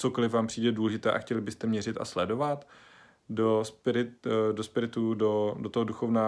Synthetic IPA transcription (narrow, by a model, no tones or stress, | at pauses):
t͡so̞kolɪfvaːmpr̥iːdɛduːlɛʒɪt̪ɛːʔa̰xcɛlɪbɪst̪ɛmɲɛr̝ɪt̪ʔa̰slɛdo̞vat̪ | dospɪɾɪt̪dospɪɾɪt̪udodot̪oɦoduxovnaː